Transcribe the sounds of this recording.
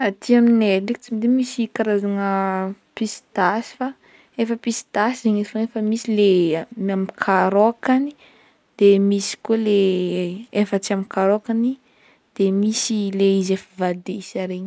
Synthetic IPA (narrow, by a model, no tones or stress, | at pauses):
at̪iamineliki̥t͡simid̪imisikaɾazaŋəpisi̥t̪asi̥fa | efəpisi̥t̪asiziɲefanefəmisilemamikʰaɾokani̥ | d̪̥emisi̥kole | efat͡siamikaɾokani | d̪̥emisileizefəvad̪eisaɾeɲi